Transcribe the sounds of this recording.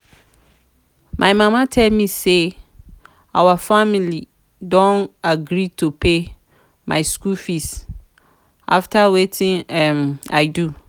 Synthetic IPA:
mʔãɪmãmãtʰɛlmĩse | awafamili | dɔ̃naɡɾitʰopʰe | mã̰ɪskulfis | ʔa̰ftʰawetʰɪ̃ŋɛma̰ɪdu

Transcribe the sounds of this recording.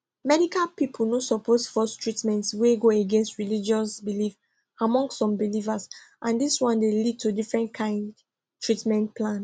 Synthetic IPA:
mɛdikalpipʰul̩nosɔpʰosfɔstʰɹitmɛ̃ntsweɡoeɡẽnstɹilid͡ʒɔsbilif | amɔ̃ŋɡsːɔ̃mbilivasʔãndiswɔ̃ndelid̚tʰudifɹɛ̃ntkʰãɪ̃nd | tɹitmɛ̃ntpʰlãn

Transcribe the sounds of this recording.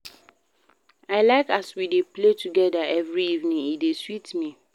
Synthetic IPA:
aɪlaɪkaswidepletuɡɛdaɛvɹiivnĩŋideswitmi

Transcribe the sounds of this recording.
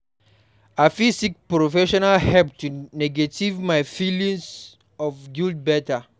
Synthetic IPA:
afisik̚pɹofɛʃɔnalhɛp̚tunɛɡetivmajfilĩŋs | ɔvɡild̚bɛta

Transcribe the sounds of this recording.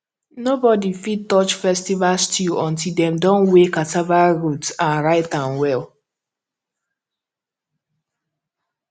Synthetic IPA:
nobɔdifid̚tɔt͡ʃfɛstivalstjuʔɔ̃ntildɛ̃mdɔ̃nwekatavaɹutãnɹaɪtãnwɛl

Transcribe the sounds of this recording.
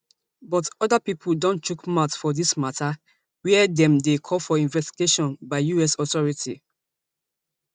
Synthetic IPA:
bɔtɔdapipʰuldõnt͡ʃukmatfɔdismatʰa | wɛɛdɛ̃mdekʰɔlfɔĩnvɛsti̥ɡeʃɔ̃nbaɪjuɛsɔtɔɹitḭ

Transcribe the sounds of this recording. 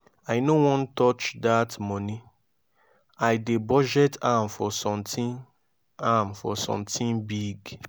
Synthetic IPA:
aɪnowɔ̃ntɔt͡ʃdatmɔ̃ni | aɪdebɔd͡ʒɛtʰamfɔsɔ̃mtĩn | amfɔ̰sɔ̰̃mtĩnbiɡ

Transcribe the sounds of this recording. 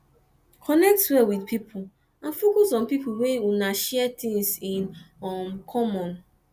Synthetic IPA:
kʰɔnɛk̚twɛwidpʰipʰul | ãnfokɔsɔ̃npipʰuwewunaʃɛɛt̪ʰĩŋsĩnɔmkʰɔmɔ̃n

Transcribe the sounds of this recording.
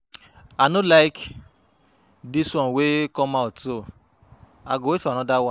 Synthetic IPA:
anolajk | diswɔ̃nwekɔ̃maoto | a̰ɡowefñɔ̃dawa

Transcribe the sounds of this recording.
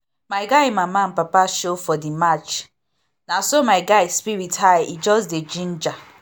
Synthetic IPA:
maɪɡaɪmaman̩papaʃofɔdimat͡ʃ | nasomaɪɡaɪspiɾithaɪid͡ʒɔsded͡ʒin̩d͡ʒa

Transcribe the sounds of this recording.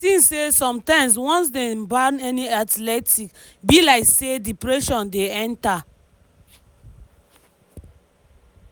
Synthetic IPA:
sĩnsesɔ̃mtãɪ̃ms̬wɔ̃ns̬dẽbanɛniatlɛtʰik | bilaɪksedipɹɛʃɔ̃ndeɛ̃nta

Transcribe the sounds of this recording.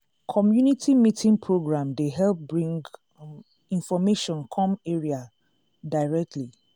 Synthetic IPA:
kʰɔmjunitʰimitĩŋpʰɹoɡɹãmdeɦɛlp̚bɹĩŋɡ | ĩnfɔmeʃɔ̃nkʰɔ̃meɹia | daɪɹɛk̚tʰli

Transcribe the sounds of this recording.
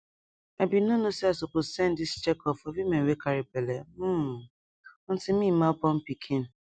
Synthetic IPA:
abinonosiasokosɛ̃ndist͡ʃekɔfɔwimẽnwekaɾipele | ɔ̃n̩tɪmiapɔm̩pikʰin̩

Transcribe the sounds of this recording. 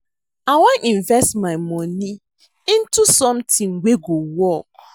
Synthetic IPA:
aɪwɔ̃nĩɱvɛstmaɪmɔni | ĩntusɔ̃mtʰĩŋweɡowɔk̚

